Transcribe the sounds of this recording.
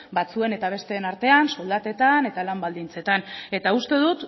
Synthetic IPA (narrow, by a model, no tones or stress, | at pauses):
bat͡sue̞ne̞t̪aβ̞e̞st̪e̞ːnaɾt̪e̞anso̞ld̪at̪e̞t̪ane̞t̪alambald̪int͡se̞t̪ane̞t̪aust̪e̞ð̞ut̪